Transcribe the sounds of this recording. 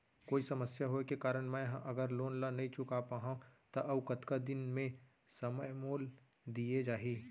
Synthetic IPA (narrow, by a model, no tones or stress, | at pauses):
koːisɐməsjaɦokekaːɾəɽmɛ̃ɦãʔɐɡəɾloːnlanɐɦĩt͡ʃʊkapaɦãt̪aʔɐʋkət̪kad̪ɪnmẽ | sɐməjmoːl | d̪ied͡ʒaːɦiː